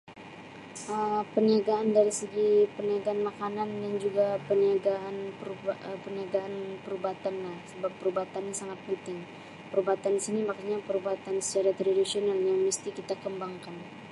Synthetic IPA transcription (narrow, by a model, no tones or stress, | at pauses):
ʔəmpəniaɡaandaɾisəɡipəniaɡaːnmakanandaŋd͡ʒuɡapəniaɡaʔanpəɾuəpəniaɡaːnpəɾubat̪anlahsəbapːəɾubat̪anɲasaŋat̪̚pənt̪ɪŋ | pəɾubat̪andisinimakaɲapəɾubat̪ansə̥t͡ʃaɾat̪ɾadisionaljaŋməst̪ikit̪akəmbaŋkan